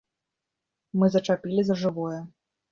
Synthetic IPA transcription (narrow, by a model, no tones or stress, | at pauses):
mɨzɐt͡ʂapʲilʲizɐʐɨvɔjɛ